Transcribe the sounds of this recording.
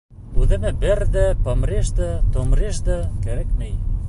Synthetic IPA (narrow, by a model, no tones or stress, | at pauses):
ʉðɘ̆mɘbɘɾd̪æpomrʲeʃd̪ɤt̪ŏmreʃd̪ɤkæɾækmɘj